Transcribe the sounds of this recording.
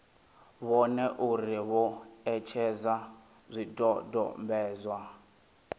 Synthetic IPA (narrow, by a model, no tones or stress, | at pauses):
βɔnɛʔuɾiβɔɛt͡ʃʰɛza | zʷidʼɔdɔ̰mbɛːzwa